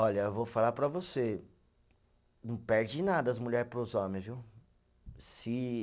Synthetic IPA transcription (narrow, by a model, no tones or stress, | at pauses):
ɔʎɐewvofalapɾɐvose | nɐ̃w̃pɛɾd͡ʒɪnad̪ɐɐzmuʎɛɾpɾʊzɔ̃mẽj̃zviw | sɪ